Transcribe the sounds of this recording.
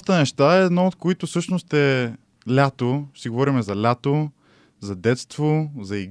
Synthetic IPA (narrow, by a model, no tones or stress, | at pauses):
t̪ənɛʃt̪aɛːd̪nɔot̪̚koit̪ʊsɤʃnost̪ɛ | lʲat̪osiɡovɔɾimɛzɐlʲat̪o | zɐd̪ɛt̪st̪vozɐiɡ